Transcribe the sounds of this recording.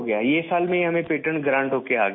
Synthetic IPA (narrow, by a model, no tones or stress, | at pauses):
ɡɐjajesaːlmẽɦɐmẽpeːʈəɳɡɾãːɳɖɦoːkeaːɡ